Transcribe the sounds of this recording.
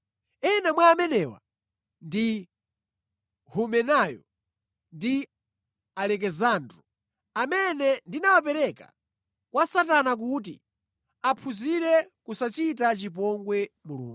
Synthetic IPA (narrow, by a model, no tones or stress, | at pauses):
ɛnamwaːmɛnɛwa̰ | ndi | humɛnajɔ | ndi | alɛk̬ɛzandɾɔ | amɛnɛndinawap̬ɛɾɛka̰ | kwasatanak̬ut̬ḭ | apʰuziɾɛkusat͡ʃitat͡ʃip̬ɔŋɡwɛmulṵːŋɡu